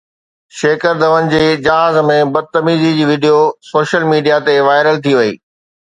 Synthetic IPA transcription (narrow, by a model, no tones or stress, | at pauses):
ʃeːkəɾd̪ʱəʋənɪ̆d͡ʑeːɪd͡ʑɐɦaːzmẽbɐd̪̚t̪ɐmiːzid͡ʑiːʋɪɖijosoːʃəlmiːɖijat̪eʋaːɪɾəlt̪ʰiʋɐḭː